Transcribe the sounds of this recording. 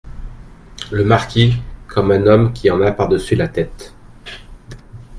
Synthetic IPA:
ləmaʁkʲʰikʰɔmɛ̃nɔmkʲʰiɑ̃napaʁd̪əsylat̪ɛt̪

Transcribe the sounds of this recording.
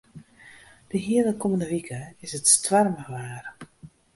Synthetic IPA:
d̥əɦiələkɔməndəʋikʰəɪsətstʋarməʋaːr

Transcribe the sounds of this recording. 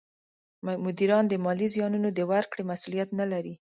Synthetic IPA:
mʊd̪iɾɑnd̪əmɑlizjɑnunod̪əwaɾkɽemasulijat̪nalaɾi

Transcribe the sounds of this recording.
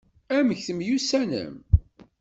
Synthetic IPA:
æməçθəmjusænə̰m

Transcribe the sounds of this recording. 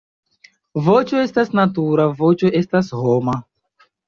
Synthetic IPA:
vot͡ʃoest̪asnat̪uɾavot͡ʃoest̪ashoma

